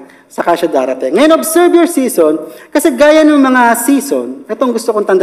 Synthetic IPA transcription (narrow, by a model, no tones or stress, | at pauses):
sɐkaʃɐd̪aːɾɐt̪ɪŋŋɐjo̞nʔobsɛɹboɹsiːsonkɐsɛɡaːjɐnɐŋmɐŋasiːsonʔɛt̪oŋɡʊst̪okont̪ɐnd̪